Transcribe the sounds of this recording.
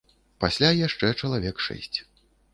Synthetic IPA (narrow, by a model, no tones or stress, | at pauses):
pasʲlʲajaʂt͡ʂɛt͡ʂɐlˠavʲɛkʂɛ̰sʲt͡sʲ